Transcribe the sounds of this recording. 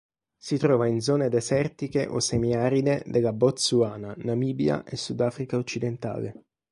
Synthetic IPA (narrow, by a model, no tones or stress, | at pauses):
sit̪ɾɔːvaind̪zɔːned̪esɛrt̪ikeʔo̰semiaːɾid̪ed̪elːabɔt̪suaːnanamiːbja̰ʔesːud̪aːfɾikaot͡ʃːid̪ent̪a̰ːle